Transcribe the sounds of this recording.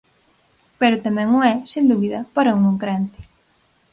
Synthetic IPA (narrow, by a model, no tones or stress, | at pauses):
peɾʊt̪amɛ̃ŋʊŋɛsend̪uβiðɐpaɾɐuŋoŋkɾɛnt̪ɪ̥